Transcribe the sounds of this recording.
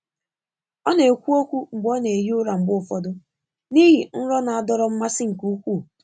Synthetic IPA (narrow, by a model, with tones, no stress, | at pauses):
ɔ˦ne˨e˨kʷu˦o˦kʷu˦ŋ͡m̩˨ɡ͡bɔ˦ne˨e˨ɦi˦ʊ˦ɾa˨ŋ͡m̩˨ɡ͡bʊ˦˨fɔ˦dʊ˦ | ni˦ɦi˨n̩˦ɾɔ˦na˨a˨dɔ˦ɾɔ˦m̩˦ma˦sɪ˦ŋ̩˨ku˦u˦kʷu˦˨